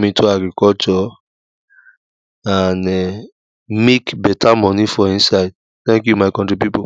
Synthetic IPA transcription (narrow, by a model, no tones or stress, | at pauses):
mĩtʰoaɡɾikɔlt͡ʃɔ | anɛ | mekbɛtʰamɔnifɔĩnsaɪd̚ | t̪ɛ̃ŋkjumaɪkɔ̃ntɹipipo